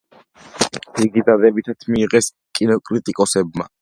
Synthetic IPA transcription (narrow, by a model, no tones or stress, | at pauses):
iɡid̪ad̪ɛbit̪ʰat̪ʰmiːʁɛs | kʼinɔkʼɾit̪ʼikʼɔsɛbma̰